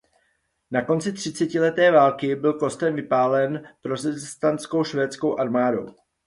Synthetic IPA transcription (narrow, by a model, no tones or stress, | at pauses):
nako̞nt͡sɪt̪r̥ɪtt͡sɛcɪlɛt̪ɛːvaːlkɪbɪlko̞st̪ɛmvɪpaːlɛnpɾo̞sɛzst̪ant͡sko̞wʃvɛːt͡sko̞wʔaɾmaːdo̞̰w